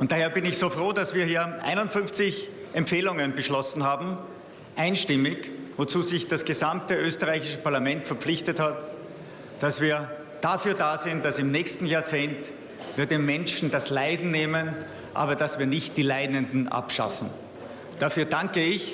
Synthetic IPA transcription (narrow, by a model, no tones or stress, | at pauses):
ʔʊntd̥aːheːɐbɪnɪçsoːfʁ̥oːdasv̥iːɐhiːɐʔa̰ɪnʊntfʏnft͡sɪç | ʔɛmpfeːlʊŋənbəʃlɔsn̩ɦaːbm̩ | ʔaɪnʃtɪmɪçvot͡suːzɪçd̥asɡ̥əzamtəʔøːstəʁaɪçɪʃəpʰaɐlamɛntfɛɐp͡flɪçtəthat | d̥asv̥iːɐ | d̥afyːɐdaːzɪnt̚d̥asɪmnɛːçstn̩jaːɐt͡seːnt | viːɐdeːmmɛnʃn̩daslaɪdn̩neːmən | ʔa̰ːbɐd̥asviːɐnɪçt̚d̥iːlaɪdəndn̩ʔa̰pʃa̰fn̩ | d̥afyːɐdaŋkəɪç